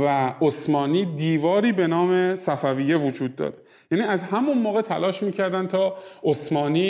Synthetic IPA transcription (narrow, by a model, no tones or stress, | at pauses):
væosmɒːniːd̪iːvɒːɾiːbe̞nɒːme̞sæfæviːjevod͡ʒuːd̪̚ːɒ̰ːɾe̞ | jæːniːæzhæmunmoːɣe̞t̪ʰælɒːʃmiːcʰæɾd̪ænt̪ʰɒːosmɒːniː